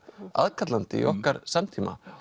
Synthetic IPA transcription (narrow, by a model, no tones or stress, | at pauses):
a̰ðkʰat̪lant̪ɪiʔɔhkkaɾsamt̪ʰiːma̰